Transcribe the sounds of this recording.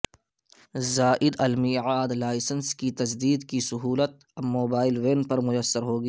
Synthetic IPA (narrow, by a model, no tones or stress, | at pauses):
zaːʔɪd̪ɐlmiːʕaːd̪laːɪsənskit̪ɐzd̪iːd̪kisʊɦuːlət̪̚ | moːbaːɪlweːnpɐɾmʊjəsːəɾɦoːɡiː